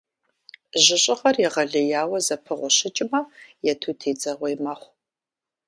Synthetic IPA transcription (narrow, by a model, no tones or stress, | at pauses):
ʑɪɕʼɪχɐrjɛʁɐɮɨjaːwɐzɐpʰɨʁʷʊɕɪt͡ʃʼɪmɐjɛtʰuːtʰeːd͡zɐʁʷejmɐχʷ